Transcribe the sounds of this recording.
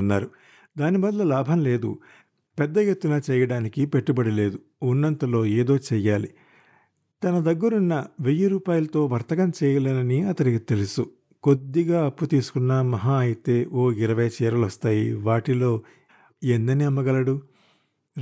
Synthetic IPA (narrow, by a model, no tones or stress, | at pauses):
nːaːɾu | d̪aːnibɐd̪lɐlaːbʱɐmle̞ːd̪ṵ | pɛd̪ːɐjet̪ːunaːt͡ʃɛːjɐɽaːnikipe̞ʈːubɐɽile̞ːd̪u | unːɐnt̪ɐlo̞ːeːd̪o̞ːt͡ʃɛːjaːlḭ | t̪ɐnɐd̪ɐɡːuɾunːɐʋejɐɾuːpaːjɐlɐt̪o̞ːʋɐɾt̪ɐɡɐmt͡ʃɛːjɐlɐnɐniɐt̪ɐnikit̪e̞lusu | ko̞d̪ːiɡaːɐpːut̪iːsu̥kunːamɐɦaːɐjit̪e̞ːʔoːiɾɐʋɐjɐt͡ʃɛːɾɐlost̪aːjiʋaːʈilo̞ː | end̪ɐniɐmːɐɡɐlɐɽu